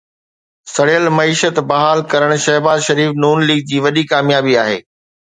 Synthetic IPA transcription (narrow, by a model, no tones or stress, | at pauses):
sɐɽəlmɐiːʃət̪bɐɦaːlkɐɾəɽ̃ʃɐɦbaːzʃɐɾiːfnuːnliːɡ̚d͡ʑiːʋɐɗikaːmjaːbiaːɦḛː